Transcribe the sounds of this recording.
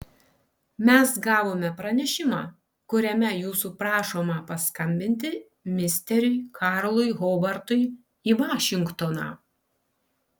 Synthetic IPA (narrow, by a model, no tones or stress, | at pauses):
mʲɛsɡɑːʋoːmʲɛpɾɐnʲɛʃʲɪmɑː | kʊɾʲɛmʲɛjuːsuːpɾɑːʃoːmɑpɐskɐmʲbʲɪnʲt̪ʲɪ | mʲɪsʲt̪ʲɛɾʲʊɪkʰɑːɾlˠʊɪɣoːbɐɾt̪ʊɪ | iːʋɑːʃʲɪŋkt̪onɑ̰ː